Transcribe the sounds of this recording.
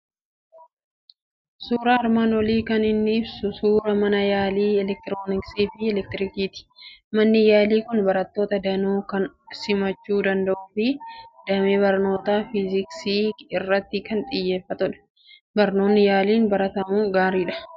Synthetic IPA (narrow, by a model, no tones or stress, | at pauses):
suːɾɐɐɾmaːnwɔliːkɐnɪnːɪɪbsʊsuːɾɐmɐnɐjaːliːɛlɛk̚t̪ɪɾoːnɪksiːfɪɛlɛk̚t̪ɪɾɪkiːt̪ɪ̥mɐnːɪjaːliːkʊnbɐɾɐt̪ːoːt̪ɐd̪ɐnuːkɐn | sɪmɐt͡ʃːuːd̪ɐnd̪ɐʔuːfɪd̪ɐmebɐɾno̞ːt̪aːfɪzɪksiːɪrːɐt̪ːɪkɐnt̪ʼɪjːe̞ːfːɐt̪ʊᶑɐ̥ | bɐɾno̞ːnːɪjaːliːnbɐɾɐt̪ɐmuːɡaːɾiːᶑɐ̥